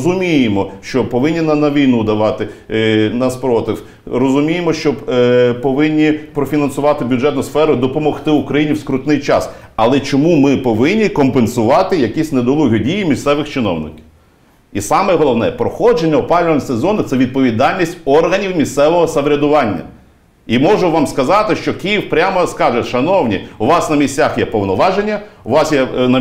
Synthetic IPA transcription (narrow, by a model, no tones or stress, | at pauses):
zʊmʲijemɔʃt͡ʃɔpɔʋɪnʲːinɐnɐʋʲijnud̪ɐʋɑt̪ɪnɐspɾɔt̪ɪw | ɾɔzʊmʲijemɔʃt͡ʃɔpɔʋɪnʲːipɾɔfʲinɐnsʊʋɑt̪ɪbʲjʊd͡ʒɛt̪nʊjsfɛɾʊd̪ɔpɔmɔxt̪ɪʊkɾɐjinʲiwskɾʊt̪nɪjt͡ʃɑ̰sɐlˠɛt͡ʃɔmumɪpɔʋɪnʲːikɔmpensʊʋɑt̪ɪjɐkʲisʲned̪ɔlˠuɦʲɔdʲijimʲist̪sɛʋɪxt͡ʃɪnɔ̰wnɪ̰kʲiw | isɑmɛɦɔlˠɔʋnɛ̰ɛpɾɔxɔd͡ʒenʲːɐʊpɑlʲnɔɔsezɔnɪt̪sɛʋʲid̪̚pɔʋʲid̪ɑlʲnʲisʲtʲɔrɦɐnʲiwmʲist̪sɛʋɔɦɔsɐʋɾʲɐd̪ʊʋɑnʲːɐ̰ | imɔʒʊʋɑmskɐzɑt̪ɪʃt͡ʃɔkijiwpɾʲamɐskɑʒɛʃɐnɔwnʲḭuʋɑsnɐmʲisʲtʲt͡sʲaxjɛpɔwnɔʋɑʒenʲːɐʊʋɑsjɛnɐ